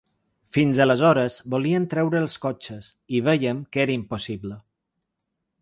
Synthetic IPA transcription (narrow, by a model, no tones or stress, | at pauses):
finzələzɔɾəzboliənt̪ɾɛwɾəːlˠskɔt͡ʃəs | iβ̞ɛjəmkeɾəimposiβlə